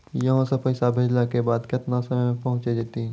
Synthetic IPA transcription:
jɐɦãsepɐːɪsabʱed͡ʒlakebaːd̪kɪt̪nasɐməjmẽpɐɦʊ̃t͡ʃed͡ʒeːt̪iɛ̃

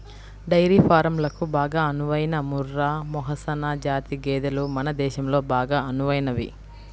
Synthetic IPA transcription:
ɖɐjɾiːpʰaːɾɐmlɐkubaːɡaːɐnuʋɐjnɐmuɾːaːmɔɦɐsɐnaːd͡ʒaːt̪iɡɛːd̪ɐlumɐnɐd̪ɛːʃɐmlo̞ːbaːɡaːɐnuʋɐjnɐʋḭ

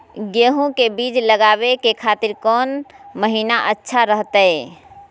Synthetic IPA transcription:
ɡeːɦũkebiːd͡ʒləɡaːbekekʰaːt̪ɪɾkɔːnməɦiːnaʔətːʃʰaɾəɦt̪əɛ

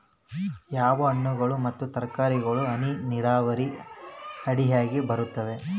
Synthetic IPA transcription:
jaːʋɐɐɳːuɡɐɭumɐt̪ːut̪ɐɾkaːɾiɡɐɭuɐniniɾaːʋɐɾi | ɐɽiɦaːɡibɐɾut̪ːɐʋe̞

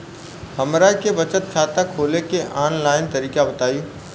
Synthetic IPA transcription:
hɐmɾaːikebɐt͡ʃət̪̚kʰaːt̪əkʰːoːlekeʔaːnlaːɪnt̪ɐɾiːkabɐt̪aːi

